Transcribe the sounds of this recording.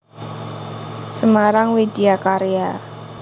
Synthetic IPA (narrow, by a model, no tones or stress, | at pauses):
səmaɾaŋwedeakaɾea